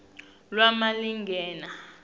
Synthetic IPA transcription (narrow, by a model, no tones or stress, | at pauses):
lwamaliŋɡʱɛːna